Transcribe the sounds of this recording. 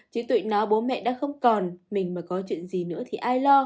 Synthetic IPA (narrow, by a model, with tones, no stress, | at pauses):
t͡ɕi˨˦t̪wḭ˧˨ŋnɔ˨˦ɓo˨˦nmɛ̰˧˨ɗa̰ː˧˥xə˧wŋ͡mkɔ˨˩nmï˨˩ŋ̟maː˨˩jkɔ˨˦t͡ɕwḭ˧˨ənzi˨˩nɨ̰˧˥ət̪ʰi˨˩ʔaː˧jlɔ˧